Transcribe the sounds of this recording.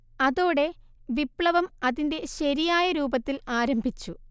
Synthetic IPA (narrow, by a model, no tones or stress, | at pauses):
ɐðo̞ːɽe̞ | ʋipɭɐʋɐmɐðinde̞ɕɐɾijaːjɐɾuːbɐt̪ːilaːɾɐmbʱit͡ɕːu